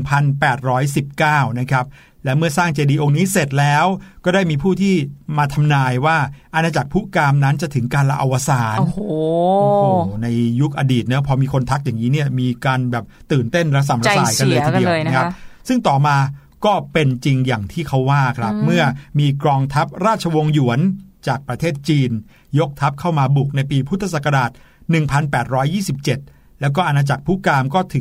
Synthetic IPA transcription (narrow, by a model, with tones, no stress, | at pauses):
ŋpʰa˧npɛː˨˩t̪̚ɾɔː˦˥jsi˨˩p̚kaː˥˩wna˦˥kʰɾa˦˥p̚ | lɛː˦˥wmɯ˥˩ɐsaː˥˩ŋt͡ɕeː˧diː˧ʔo˧ŋniː˦˥se˨˩t̪̚lɛː˦˥wkɔː˥˩daː˥˩jmiː˧pʰuː˥˩t̪ʰiː˥˩maː˧t̪ʰa˧mnaː˧jwaː˥˩ʔa˧naː˧t͡ɕa˨˩k̚pʰu˦˥kaː˧mna˦˥nt͡ɕa˨˩t̪ʰɯ˩˦ŋkaː˧nla˧ʔa˧wa˧saː˩˦no˧hʔo˧˩na˧jːu˦˥k̚ʔaː˧diː˨˩t̪̚nɯ˦˥pʰɔː˧miː˧kʰo˧nt̪ʰa˦˥k̚jaː˨˩ŋːiː˦˥ni˥˩ɐmiː˧kaː˧nbɛː˨˩p̚t̪ɯː˨˩nt̪e˥˩nɾa˦˥s̬a˨˩mɾa˧˥saː˧jka˧nlɤː˧jt̪ʰi˧iː˧˩˧na˦kʰa˦˥˦psɯ˥˩ŋt̪ɔː˨˩maː˧ | kɔː˥˩pe˧nt͡ɕi˧ŋjaː˨˩ŋt̪ʰiː˥˩kʰa˦˥˩wːaː˥˩kʰɾa˦˥p̚mɯ˥˩ɐmiː˧kɾɔː˧ŋt̪ʰa˦˥p̚ɾaː˥˩t̪̚t͡ɕʰa˧wo˧ŋju˨˩˦ənt͡ɕaː˨˩k̚pɾa˧t̪ʰeː˥˩t̪̚t͡ɕiː˧n | jo˦˥k̚t̪ʰa˦˥p̚kʰa˥˩wmaː˧bu˨˩k̚na˧jpiː˧pʰu˦˥t̪ʰːa˧sa˨˩ka˧daː˨˩t̪̚nɯ˨˩ŋpʰa˧npɛː˨˩t̪̚ɾɔː˦˥jːiː˥˩si˨˩p̚t͡ɕe˨˩t̪̚ | lɛː˦˥wk̬ɔː˥˩ʔa˧naː˧t͡ɕa˨˩k̚pʰu˦˥kaː˧mkɔː˥˩t̪ʰɯ˨˩˦